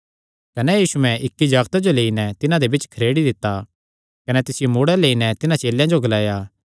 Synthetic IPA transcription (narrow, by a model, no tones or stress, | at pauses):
kɐnɛjiːsuɛ̃ʔɪkːid͡ʒaːɡt̪ad͡ʒoleːinɛt̪ɪnãd̪ebɪt͡ʃkʰɐɾeːɽid̪ɪt̪ːa | kɐnɛt̪ɪsɪjomuːɽɛleːinɛt̪ɪnãt͡ʃeːljãd͡ʒoɡɐlaːjaː